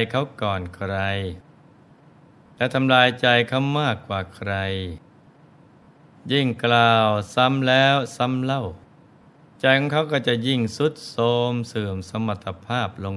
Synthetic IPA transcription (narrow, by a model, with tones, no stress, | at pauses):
jkʰa˦˥wkɔː˨˩nkʰɾa˧j | lɛ˦˥t̪ʰa˧mlaː˧jt͡ɕa˧jkʰa˦˧˥wmaː˥˩kːwaː˨˩kʰɾa˧j | ji˧˥˩ŋklaː˧˩wsa˦˥mlɛː˦˥wsa˧˦˥mla˥˩w | t͡ɕa˧˩jkʰɔː˧˦ŋkʰa˦˥˩wkɔː˥˩wt͡ɕa˨˧˩ji˧˥˩ŋsu˦˥t̪̚soː˧msɯː˨˩msa˧ma˧˩t̪ʰːa˧pʰaː˥˩p̚lo˧ŋ